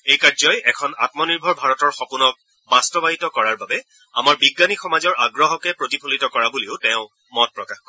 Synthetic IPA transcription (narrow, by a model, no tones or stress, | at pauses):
ejkazɔjɛkʰɔna̰tmɔniɹbʱɔɹbʱaɹɔtɔɹxɔpunɔk̚ | bastɔbaɦitɔkɔɹaɹbabɛ | a̰maɹbiɡːanixɔmazɔɹaɡɹɔɦɔkɛpɹotipʰolitɔkɔɹabuleʊtɛ̃ʊ̃ | mɔt̚pɹɔkaxkɔ